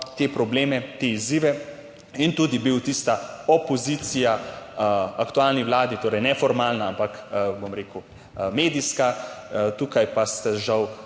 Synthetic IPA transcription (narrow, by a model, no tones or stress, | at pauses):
t̪epɾɔbleːmɛt̪eiziːʋɛ | int̪uːd̪ibiwt̪ist̪aɔpɔziːt̪sija | akt̪ualniwlaːd̪it̪oːɾɛjnɛfɔɾmaːlnaampakbomɾeːku | meːd̪iskat̪uːkajpast̪aʒaw